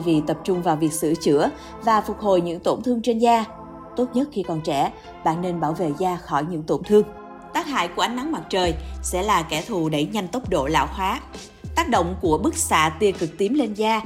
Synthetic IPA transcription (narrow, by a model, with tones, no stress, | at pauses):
vi˨˩t̪ə˨˩p̚t͡ɕʊ˧ŋ͡mvaː˨˩wvi˨˩ək̚sɨ̰˧˥t͡ɕɨ̰˧˥ə | vaː˨˩fʊ˨˩t̚ho˨˩jɲɨ̰˧˥ŋt̪o˧˩nt̪ʰɨ˧əŋt͡ɕe˧nzaː˧ | t̪o˦˥t̚ɲə˦˥t̚xi˧kɔ˨˩nt͡ɕɛ̰˧˩ | ɓa̰ː˧˨nːe˧nɓaː˧˩wvḛ˧˨zaː˧xɔ˧˩jɲɨ̰˧˥ŋt̪o˧˩ŋ͡mt̪ʰɨ˧əŋ | t̪aː˦˥k̚ha̰ː˧˨jku˧˩əʔa˨˦ŋna˨˦ŋma˨˩t̚t͡ɕəː˨˩jsɛ̰˧˥laː˨˩kɛ˧˩t̪ʰu˨˩ɗə˧˩jɲa˧jŋt̪o˦˥wp̚ɗo̰˧˨la̰ː˧˨wxwaː˨˦ | t̪aː˦˥k̚ɗo̰˧˨wŋ͡mku˧˩əɓɨ˦˥k̚sa̰ː˧˨t̪i˧əkɨ˨˩k̚t̪i˨˦mle˧nzaː˧